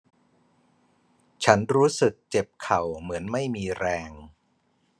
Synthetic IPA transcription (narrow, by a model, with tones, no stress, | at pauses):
t͡ɕʰa˦˥nɾuː˦˥sɯ˨˩k̚t͡ɕe˨˩p̚kʰa˨˩wmɯ˩˦ənma˥˩jmiː˧ɾɛː˧ŋ